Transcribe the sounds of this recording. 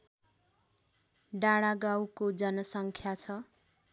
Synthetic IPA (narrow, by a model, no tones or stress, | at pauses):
ɖaɽaɡawkod͡zʌnʌsʌŋkʰjat͡sʰʌ